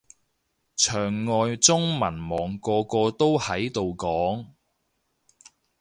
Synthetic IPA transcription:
t͡ʃʰœː˨˩ŋːɔː˨jt͡sʊ˥ŋmɐ˨˩nmɔː˨ŋkɔː˧kɔː˧t̪o˥whɐ˨˥jt̪o˨wkɔː˨˥ŋ

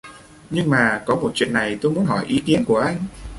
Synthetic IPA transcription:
ɲɨ˧ŋmaː˨˩kɔ˨˦mo˨˩t̚t͡ɕwi˧˨ənːa˨˩jt̪o˧jmu˨˦ənɦɔ˧˩jʔi˨˦ki˨˦ənku˧˩əʔa˧jŋ̟

